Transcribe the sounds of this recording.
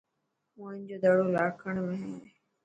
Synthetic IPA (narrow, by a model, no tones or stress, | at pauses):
ʊ̃ãːnd͡ʑoːd̪əɽoːlaːkʰəɳ̃mẽɦɛː